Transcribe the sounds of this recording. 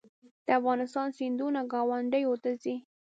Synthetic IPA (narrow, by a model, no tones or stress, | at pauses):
d̪̥əafɣɑnɪst̪ɑnsind̪unaɡɑwaɳɖəjot̪əzi